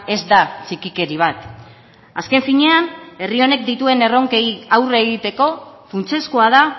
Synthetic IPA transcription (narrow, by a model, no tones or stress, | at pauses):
e̞zd̪at͡ʃikike̞ɾiβ̞at̪ | aske̞ɱfiɲe̞ane̞rio̞nek̚d̪it̪ue̞ne̞ro̞ŋkejawre̞ɣ̞it̪e̞ko̞funt͡se̞skoað̞a